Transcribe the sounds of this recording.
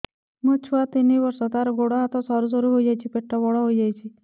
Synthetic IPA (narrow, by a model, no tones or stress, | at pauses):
mə̃t͡ʃʰuat̪iniʋəɾsɔt̪aɾɔɡoɽɔɦat̪ɔsɔɾus̬ɔɾuɦoid͡ʒajt͡ʃʰipeʈʰːɔʋɔɽɔɦojd͡ʒajt͡ʃʰi